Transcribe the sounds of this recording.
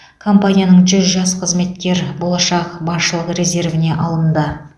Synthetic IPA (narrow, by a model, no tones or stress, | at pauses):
kʰo̞mpanijanəɴʒʏzʒɑsqʰəzme̞t̪̚kʲe̞ɾbo̞lˠɑʃɑqbɑsʃəlˠəqre̞ze̞rvɪne̞ʔɑlˠənd̪ə